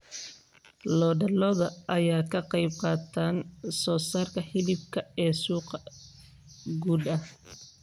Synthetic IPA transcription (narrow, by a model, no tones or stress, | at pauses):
lɔːɖɐlɔðɐʔɐjaːkʰɐqɑjb̚qɑːt̪ʰaːnsɔːsaːrkʰɐħɪlɪb̚kʰɐɛːsuːqɐ | ɡuːd̪ɐh